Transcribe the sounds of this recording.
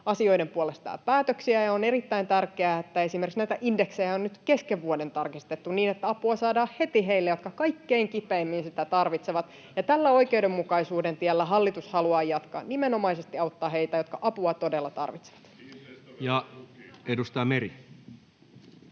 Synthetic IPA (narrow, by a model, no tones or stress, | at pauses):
ɑsio̞jdempuole̞st̪ɑ̰ːpæːt̪øksiæjɑonerit̪ːæint̪ærkeæːet̪ːæe̞simerksnæit̪æʔindeksejæonnyt̪ke̞skeʋːuode̞nt̪ɑrkist̪et̪ːuniːnet̪ːæɑpuɑsɑːdɑːhhe̞t̪iɦeilːejo̞t̪kɑkɑikːe̞iŋkipeːmːinsit̪æt̪ɑrʋit̪seʋɑt̪ | jɑt̪ælːæo̞ike̞udemːukɑisuːde̞nt̪iælːæɦɑlːit̪ushɑluɑːjɑt̪kɑ̰nimeno̞mɑisest̪iɑut̪ːɑːheit̪æjo̞t̪kɑʔɑpuɑt̪o̞de̞lːɑt̪ɑ̰rʋit̪se̥ʋɑ̥t̪ | jɑ | edust̪ɑjmeɾi